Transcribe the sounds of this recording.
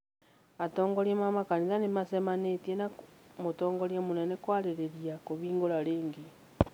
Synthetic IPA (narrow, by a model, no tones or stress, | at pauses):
atoːŋɡoɾemamakanisanemasemanetjenamotoːŋɡoɾjemunenekwaːleɾeɾjakoβiːŋɡolaliːŋɡi